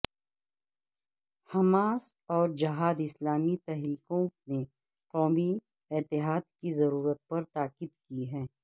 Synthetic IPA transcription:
hɐmaːsɔːɾd͡ʒɐɦaːd̪ɪslaːmit̪ɛɦɾiːkõne | qɔːmi | ɪt̪ɪɦaːd̪kizɐɾuːɾət̪̚pɐɾt̪aːkɪd̪kiɦɛ̃ː

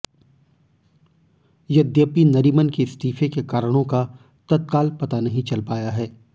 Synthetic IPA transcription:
jɐd̪jəpinɐɾiːmənkest̪iːfekekaːɾəɽ̃õka | t̪ɐt̪̚kaːlpɐt̪anɐɦĩt͡ʃɐlpaːjaɦɛː

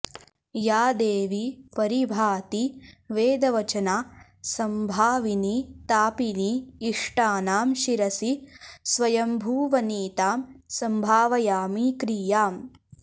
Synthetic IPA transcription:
jaːd̪eːʋipɐɾibʱaːt̪iʋeːd̪ɐʋɐt͡ʃɐnaː | sɐmbʱaːʋinit̪aːpiniːʂʈaːnaːmʃiɾɐsisʋɐjɐmbʱuːʋɐniːt̪aːmsɐmbʱaːʋɐjaːmikɾiːjaːm

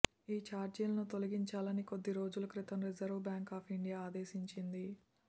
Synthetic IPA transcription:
iːt͡ʃaːɾd͡ʒiːlɐnut̪o̞lɐɡiɲt͡ʃaːlɐniko̞d̪ːiɾo̞ːd͡ʒulukɾit̪ɐmɾizɐɾʋbjaːŋkaːpʰiɳɖijaːaːd̪eːʃiɲt͡ʃind̪i

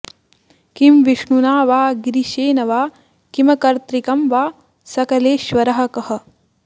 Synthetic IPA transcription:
kimʋiʂɳunaːʋaːɡɾiʃeːnɐʋaː | kimɐkɐɾt̪ɾikɐmʋaː | sɐkɐleːʃʋɐɾɐɦɐ̆kɐhɐ̆

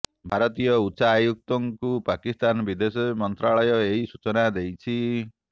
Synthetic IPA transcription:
bʱaɾɔt̪ijɔutːsaːjuk̚t̪ɔŋkupakist̪anbid̪esɔmɔnt̪ɾaɭɔjɔeɦisut͡ʃɔnad̪ejt͡ʃʰi

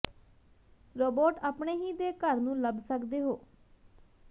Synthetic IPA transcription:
ɾoːboːʈaːpɳeːɦiːd̪eːkəɾnũːləbsəkd̪eːɦoː

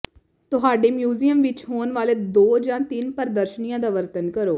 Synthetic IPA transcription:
t̪ʊɦaːɖeːmjuːziːjəmʋɪt͡ʃɦoːnʋaːleːd̪oːd͡ʒãːt̪ɪnpəɾəd̪əɾʃənijãːd̪aːʋəɾt̪ənkəɾoː

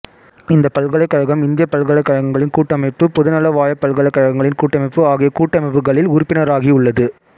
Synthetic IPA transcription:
ɪnd̪ɐpɐlɣɐɭɐɪkːɐɻɐɣɐmɪnd̪ɪjɐpɐlɣɐɭɐɪkːɐɻɐɣɐŋɡɐɭɪnkuːʈːɐmɐɪpːɯpɔðɯnɐlɐʋaːjɐpːɐlɣɐɭɐɪkːɐɻɐɣɐŋɡɐɭɪnkuːʈːɐmɐɪpːɯaːɣɪjɐkuːʈːɐmɐɪpːɯɣɐɭɪlʊɾʊpːɪnɐɾaːɣiʊɭːɐðɯ

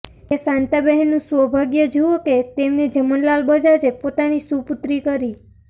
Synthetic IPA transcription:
esãnt̪abɛɦnːũsʋəbʱaɡjəd͡ʒuoket̪emned͡ʒəmənlalbəd͡ʒad͡ʒepot̪anisuput̪ɾikəɾi

